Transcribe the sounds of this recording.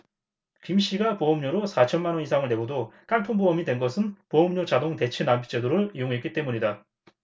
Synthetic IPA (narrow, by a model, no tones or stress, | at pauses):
kimɕ͈iɡapoʌmɲoɾosʰat͡ɕʰʌnmanwʌnisʰaŋɯɭne̞ɡodok͈antʰonboʌmidwe̞nɡʌsʰɯnpoʌmɲot͡ɕadoŋte̞t͡ɕʰenampʰi̥t͡ɕ͈edoɾoijoŋɦe̞tk͈it͈e̞muɲida